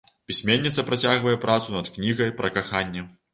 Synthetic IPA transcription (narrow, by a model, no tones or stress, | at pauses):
pʲisʲmʲenʲːit̪sɐpɾat͡sʲaɣvɐjɛpɾat̪sunɐt̪knʲiɣɐjpɾɐkaxanʲːɛ